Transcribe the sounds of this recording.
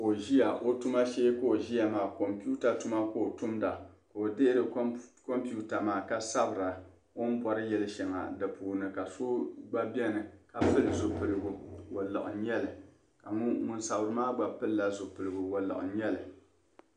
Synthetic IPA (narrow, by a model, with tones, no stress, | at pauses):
o˨ʒi˦ja˨ʔo˦tu˦ma˦ʃeː˦ko˦o˨ʒi˦ja˨maː˨ko˨mpu˦ta˨tu˦ma˦ko˦o˨tʊ˦mda˨ka˨o˨de˦ɾɨ˨˦ko˦mpu˦ta˨maː˨ka˦sa˦bɨ˨ɾa˨ | o˦m̩˦pɔ˦ɾɨ˦jɛ˦lɨ˦ʃɛ˨ŋa̰˨dɨ˨puː˨nɨ˨ka˨so˦ɡ͡ba˦bɛ˦nɨ˨ka˨pɨ˦lɨ˨zo˨pɨ˨ɾɨ˨ɡu˨wo˨la̰˨ʔʊ̰˨ɲɛ˦lɨ˨ | ka˨ŋ˦ŋʊ˦nsa˨bɨ˨ɾɨ˨maː˦ɡ͡ba˨pɨ˦lla˦zʊ˨pɨ˨ɾɨ˨ɡʊ˨wo˨la̰˨ʔʊ̰˨ɲɛ˦lɨ˨